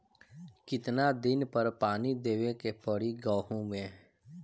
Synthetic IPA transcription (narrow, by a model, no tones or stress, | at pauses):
kɪt̪nad̪ɪnpəɾpaːnid̪eːʋekepəɽiɡəːɦõmẽ